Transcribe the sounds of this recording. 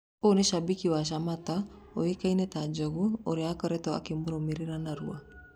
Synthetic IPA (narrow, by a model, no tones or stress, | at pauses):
oneʃabikiwaʃ̬amata | oekainɛtad͡ʒɔɣuoɾeakɔɾɛtɔa̰kemuɾomiɾiɾanaɾṵa